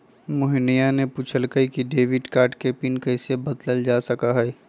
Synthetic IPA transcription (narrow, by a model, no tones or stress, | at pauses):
mʊɦnijanepuːt͡ʃʰəlkəikiɖeːʋɪɖkaːɾʈkepiːnkɛːsebɐd̪ləld͡ʒaːsɐkaɦɛː